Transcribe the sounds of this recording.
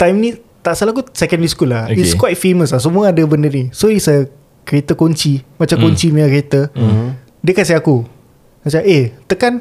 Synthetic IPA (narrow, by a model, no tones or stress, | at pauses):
t̪ajmnĩ | t̪aʔsalakusɛkə̃nliskulaoiskwajt̪̚feməslahs̬əmũəadəbəndərnisɔɾisaja | kəɾet̪əkoɲt͡ʃimat͡ʃamkoɲt͡ʃimiakəɾet̪ə | dəkasiaku | sat͡ʃaʔet̪əkan